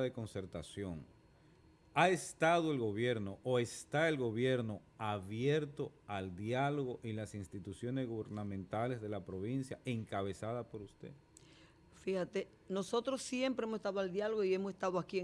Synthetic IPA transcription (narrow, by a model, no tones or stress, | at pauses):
ðeko̞nse̞ɾt̪asjo̞ŋ | ae̞st̪aðoe̞lɣo̞βje̞ɾno̞ʔoe̞st̪aelɣo̞βje̞ɾno̞ | aβje̞ɾt̪o̞ald̪jaloɣo̞ʔilasinst̪it̪usjo̞ne̞zɣuβe̞ɾnamẽnt̪ale̞zðe̞lapɾo̞β̞insja̰e̞ŋkaβe̞saðapo̞ɾust̪e̞̰ | fihat̪e | no̞so̞t̪ɾosje̞mpɾeemosst̪aðoald̪jaloɣoie̞mosest̪aðoaki